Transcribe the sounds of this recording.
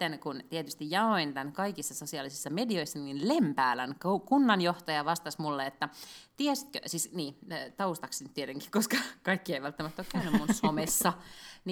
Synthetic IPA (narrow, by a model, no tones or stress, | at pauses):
enkunt̪iet̪yst̪ijjɑoint̪ænkɑikisːɑsosiɑlisisːɑmedioisːɑninlempæːlænkokunːɑnjoht̪ɑjɑʋɑst̪ɑsmulːeet̪ːæt̪iest̪køsiːsniːt̪ɑust̪ɑksnyt̪tiet̪eŋki̥koskɑkɑikːieiʋælt̪ːæmæt̪ːokkæynːymmunsomesːɑn